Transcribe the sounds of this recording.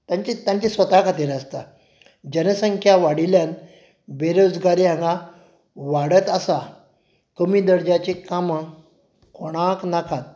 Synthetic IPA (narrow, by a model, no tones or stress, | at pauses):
t̪jaɲt͡ɕit̪jãɲt͡ɕisʋət̪akʰat̪iɾast̪a | d͡ʑənəsəŋkʰjaʋaɽiljan | beɾod͡zɡaɾiɦãŋɡa | ʋaɽət̪əsa | kəmiːd̪əɾd͡ʑat͡ɕekamə | kʰoɽ̃ãknakʰat̪̚